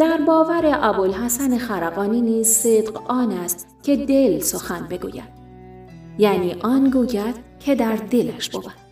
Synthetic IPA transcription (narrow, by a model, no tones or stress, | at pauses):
d̪̥æɾbɒːvæɾe̞ʔɒbolhæsæne̞xæɾæɣɒːniːniːzsed̪qɒːnæst̪ | cʲʰe̞d̪e̞lsoxænbe̞ɡṵːjæ̰d̪̥ | jæːniːʔɒːnɡuːɟæd̪̥cʰe̞d̪æɾd̪e̞læʃb̥obæd̪̥